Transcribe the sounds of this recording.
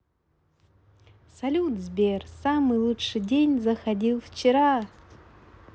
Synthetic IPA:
sɐlʲud̪zbʲersamɨjlˠuʂɨjdʲenʲzəxɐdʲilˠft͡ɕɪɾa

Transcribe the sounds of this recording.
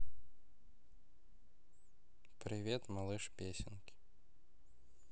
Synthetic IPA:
pɾʲɪvʲet̪mɐlˠɨʂpʲesʲɪnkʲɪ̥

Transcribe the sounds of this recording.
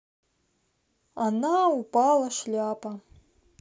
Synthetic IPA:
anaupʼalɐʃlʲapʼa

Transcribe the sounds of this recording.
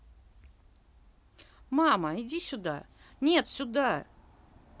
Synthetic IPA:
maməidʲisʲʊd̪a̰ | nʲet̪sʲʊd̪a

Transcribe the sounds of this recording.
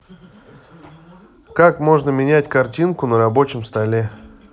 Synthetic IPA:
kakmo̞ʐnəmʲɪnʲætʲkɐrtʲinkʊnəɾɐbo̞t͡ɕɪmst̪ɐlʲe̞

